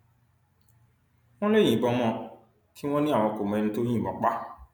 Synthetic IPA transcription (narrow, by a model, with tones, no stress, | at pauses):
w̃ɔ̃˦lẽ˦˨ĩ˨bɔ˧mɔ̃˦ | tʰi˦w̃ɔ̃˦nĩ˦a˨w̃ɔ̃˧ko˨mɛ̃˨ñ̩˦to˦ɲĩ˦˨bɔ̰̃˨k͡pa˦